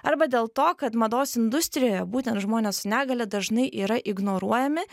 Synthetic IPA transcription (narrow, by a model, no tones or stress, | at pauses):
ɐɾbɐd̪ʲeːlˠt̪oːkɐt̪mɐd̪oːsɪnd̪ʊsʲt̪ʲɾʲɪjoːjɛbuːt̪ʲɛnt̪ʒmoːnʲeːssʊnʲæːɡɐlʲɛːd̪ɐʒnɐɪʔiːɾɐʔɪɡnoːɾuɔjɛmʲɪ